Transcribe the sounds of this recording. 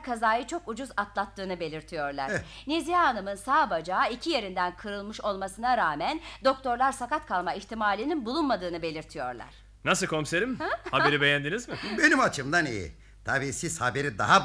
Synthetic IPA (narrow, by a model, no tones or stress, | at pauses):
kʰazaːjɯt͡ʃʰo̞kud͡ʒuzat̪lˠat̪ːɯːnɯbe̞lʲiɾt̪ʰijo̞ɾlˠa̰ɾnezijanɯmɯnsaːbad͡ʒaːicʰije̞ɾind̪ænkʰɯɾɯlˠmɯʃo̞lˠmasɯnaɾaːmænd̪o̞k̚t̪ʰo̞ɾlˠaɾsakat̪kʰalˠmaiçt̪ʰimaːlʲininbulˠunmad̪ɯːnɯbe̞lʲiɾt̪ʰijo̞̰ɾlˠa̰ɾ̥ | nas̬ɯlkʰo̞mseɾimhabeɾibe̞jænd̪inizmɪbe̞nimat͡ʃʰɯmd̪anḭjḭ | t̪ʰabiːsishabeɾid̪a̰ɦa